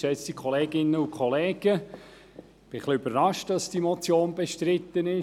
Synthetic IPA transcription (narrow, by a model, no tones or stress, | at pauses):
ʃɛt͡stikʰχɔleːɡɪnːəukʰχoleːɡ̥ə | b̥ɪχlɪøbərrɑʃtdɑsd̥imɔt͡sjoːnbɛʃtɾɪt̪ːənɪ